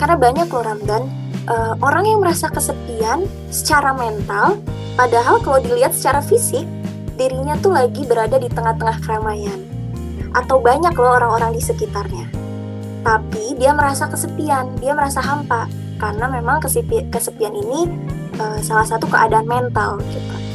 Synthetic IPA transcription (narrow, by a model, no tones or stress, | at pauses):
karnabaɲakloɾamdan | ʔəːʔoɾaŋjaŋməɾasakəsəpian | sə̥t͡ʃaɾamɛnt̪al | padaɦalkalawdiliɦat̪sə̥t͡ʃaɾafisɪk̚ | diɾiɲat̪ulaɡibəɾadadit̪əŋaht̪əŋahkəɾamajan | ʔa̰t̪awbaɲaklooɾaŋoɾaŋdisəkit̪arɲa | t̪apidiaməɾasakəsəpiandiaməɾasaɦampa | karnamemaŋkəsipkəsəpianini | ʔəsalahsat̪ukəʔadaanmɛnt̪alɡit̪u